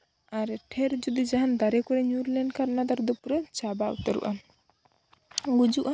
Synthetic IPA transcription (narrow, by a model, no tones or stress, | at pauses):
aɾʈʰɛɾd͡ʒud̪id͡ʒaɦand̪aɾɛkɔɾɛɲuɾlɛɳɖkaɾnad̪aɾd̪upɾət͡ʃabaʔṵt̪aɾṵʔa | ɡud͡ʒuʔa